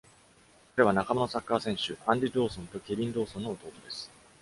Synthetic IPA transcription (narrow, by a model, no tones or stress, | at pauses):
kaɾe̞βanakamono̞sakːaːsẽɰ̃ɕɨʔãnd̪ʲid̪o̞ːsõ̞nt̪o̞kʲe̞bʲĩnd̪o̞ːsõnːoːt̪o̞ːt̪o̞d̪e̞sɨ̥